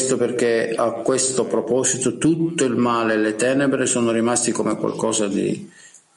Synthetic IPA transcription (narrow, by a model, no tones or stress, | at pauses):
st̪operk̟eakːwest̪opɾɔpɔsit̪ot̪ut̪ːoilmaːlelet̪ɛːnebɾesoːnoɾimast̪ikomekwa̰lkɔːsad̪ḭ